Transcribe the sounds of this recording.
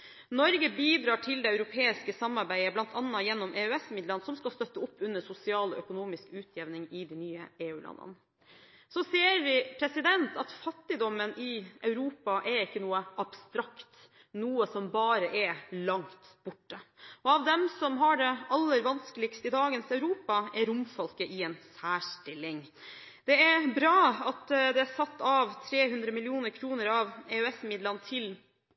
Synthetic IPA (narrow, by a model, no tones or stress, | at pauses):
nɔɾɡəbiːd̪ɾɑːʈʰɪld̪ɛœʉɾʊpʰeːɪskəsɑmːɑɾbæɪəblɑnt̪ʰɑnːɑjɛnːɔmʔeːʉɛsmɪd̪lənsɔmskɑst̪œt̪ːəɔpːʉnːəsʊsɪɑːlɔ̰ʔœkʊnuːmɪskʉːt̪ʰjɛʋnɪŋɪd̪ɛnyːə̰eːʉːlʔɑ̰nːə̰n | sɔseːɾʋɪpʰɾɛsɪd̪ɛnt̪ʰɑt̪fɑt̪ːɪd̪ɔmːənɪʔœʉɾuːpɑʔɛɾɪkːənuːəʔɑbst̪ɾɑkt̪ | nuːəsɔmbɑːɾəʔɛlɑŋt̪b̥ʊʈːəɔɑʋd̪ɛmsɔmɦɑɖɛɑlːəɾʋɑnskəlɪɡst̪əɪd̪ɑːɡənsœʉɾuːpɑɛɾʊmfɔlkəʔɪɛnsæːʂʈɪlɪŋ | d̪̥ɛɛɾbɾɑːɑt̪d̪ɛæsɑt̪ːɑʋt̪ʰɾeːhʉnd̪ɾəmɪlɪuːnəɾkʰɾuːnəɾɑʋɛʉɛsmɪd̪lənt̪ʰɪl